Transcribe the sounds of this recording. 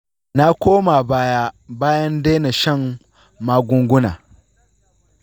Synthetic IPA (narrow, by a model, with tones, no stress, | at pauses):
na˦kʷoː˦ma˨baː˦ja˦baː˦jɐ˦nde˦na˨ʃɐ˦˨ŋː | aː˦ɡʷʊ˦ŋɡʷʊ˦na̰ː˨